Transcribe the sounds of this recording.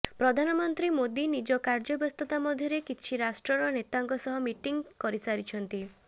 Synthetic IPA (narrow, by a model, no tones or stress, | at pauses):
pɾɔd̪ʱanɔmɔnt̪ɾimod̪inid͡ʒɔkaɾd͡ʒɔbɔst̪ɔt̪amɔd̪ʱjɔɾekit͡ʃʰiɾasʈɾɔɾɔnet̪aŋkɔsɔɦɔmiʈiŋɡkɔɾisaɾit͡ʃʰɔnt̪i